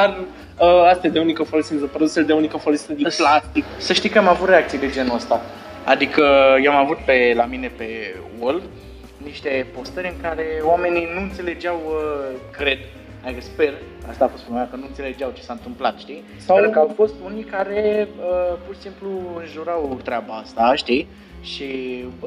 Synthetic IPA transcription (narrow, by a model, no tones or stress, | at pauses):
d̪ar | əast̪jad̪eunikəfolosinzəpɾod̪useld̪eunikəfolosind̪iplast̪iksəʃt̪ijkəamavut̪re̞ak̚t̪sijd̪e̞d͡ʒe̞nuəst̪a | a̰d̪ikəjeamavut̪̚pe̞lamine̞pe̞ | wol | niʃt̪e̞po̞st̪əɾʲɨŋkaɾe̞oame̞ninuɨnt̪se̞le̞d͡ʒeawəkɾe̞d̪ | ad̪ikəspe̞r | a̰st̪aːfo̞st̪fɾomeakənuɨnt̪se̞le̞d͡ʒeawt͡ʃe̞saɨnt̪ɨmplat̪ʃt̪i | sawkəawfo̞st̪unikaɾe̞əpurʃi̥simpluɨnʒuɾawt̪ɾeabaast̪aʃt̪i | ʃi